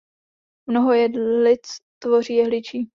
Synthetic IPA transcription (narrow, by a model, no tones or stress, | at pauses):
mnoɦojɛlɪt͡st̪vo̞riːjɛɦlɪt͡ʃiː